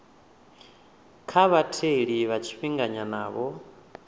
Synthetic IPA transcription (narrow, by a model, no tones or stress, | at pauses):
kʰaβatʰeɺiβat͡ʃʰiɸiŋɡaɲanaːβɔ